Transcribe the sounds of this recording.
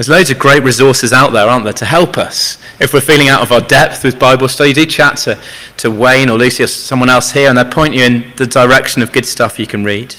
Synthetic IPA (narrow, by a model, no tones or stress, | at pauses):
ðəzləʊzəɡɹeɪʔɹɪzɔˑsɪzaʊʔðəɹɑːˑnðə˞tʰəɦɛlˠpʰʌs | ɪfwɪfiːlɪ̃ŋaʊɾəvaʊədɛp̚θwɨðbaɪbəl̩ˠstəjɨdɨt͡ʃʰatʰə | tʰəwẽɪ̃nəlʉˑsiəsʌ̃mwʌ̃ñɛlˠshiəɹə̃nðəɪpʰɔ̃ɪ̃nt͡ʃɨɪ̃nðədəɹɛkʃə̃nəvɡʊd̥stʌfjəkʰə̃nɹiːd̥